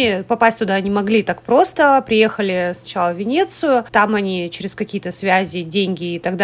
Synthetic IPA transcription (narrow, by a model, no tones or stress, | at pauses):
ipɐpasʲtʲt̪ʊd̪anʲɪmɐɡlʲit̪akpɾo̞st̪əpɾʲɪje̞xəlʲɪsnɐt͡ɕalˠəvʲɪnʲe̞t̪sɨjʊt̪amɐnʲit͡ɕɪɾʲɪskɐkʲijət̪əsvʲæzʲɪdʲenʲɡʲɪːt̪ɐɡd̪